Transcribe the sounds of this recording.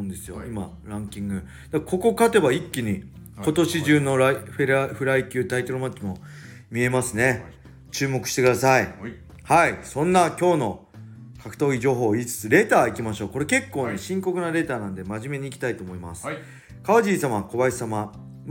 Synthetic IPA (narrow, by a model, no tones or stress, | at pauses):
nd̪e̞sɨjo̞̰ima̰ | ɾãŋkʲĩŋɡɯ̟ | d̪̥ako̞ko̞kat̪e̞baikʲːiɲ̟i | ko̞t̪o̞ɕiʑɨːno̞ɾɸeɾɸɯ̟ɾaikʲɨːt̪ait̪o̞ɾomat̪ːimo̞ | mʲie̞masɨne̞ | t͡ɕɨːmo̞kɯ̟̥ɕi̥t̪e̞kɯd̪asai | haisõ̞nːakʲo̞ːno̞ | kʰakɯ̟̥t̪o̞ːiʑo̞ːɦo̞ːiːt͡sɨ̥t͡sɨɾe̞ːt̪aːikʲimaɕo̞ːko̞ɾe̞ke̞kːo̞ːne̞ɕĩŋko̞kɯnaɾe̞ːt̪aːnãnd̪e̞maʑime̞ɲ̟iːkʲi̥t̪ait̪o̞ːmo̞ima̰sɨ̥ | kaβaʑiːsamako̞βaisama